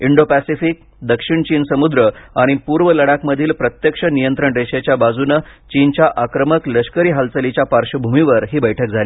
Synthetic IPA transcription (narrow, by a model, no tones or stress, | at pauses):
iɳɖopæsifik̚ | d̪əkʂiɳt͡ɕiːnsəmud̪ɾəaɽ̃ipuɾʋələɽakməd̪ʱiːlpɾət̪jəkʂənijənt̪ɾəɳɾeɕet͡ɕjabad͡zunət͡ɕint͡ɕjaʔakɾəməkləɕkəɾiːɦalt͡səlit͡ɕjapaɾʂəbʱumiʋəɾɦiːbəjʈʰək̚d͡zʱaliː